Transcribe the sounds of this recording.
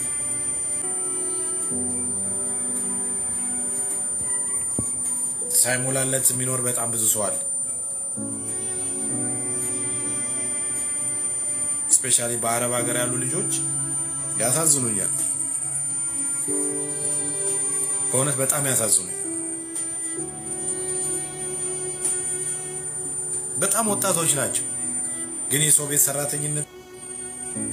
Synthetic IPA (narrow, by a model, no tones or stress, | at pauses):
sajmolalːət̪ɨmːino̞ɾbət̪ʼambɨzusowal | spe̞ʃalibəaɾəβaɡəɾjalːulɨd͡ʒo̞t͡ʃː | jasazːɨnuɲːa̰l | kʰəunət̪bət̪ʼamjasazːɨnuɲ | bət̪ʼamwɔt̪ʼːat̪ʰo̞t͡ʃːnat͡ʃːɛw | ɡɨnjɛso̞βe̞t̪sərːat̪ʰəɲːɪnːət̪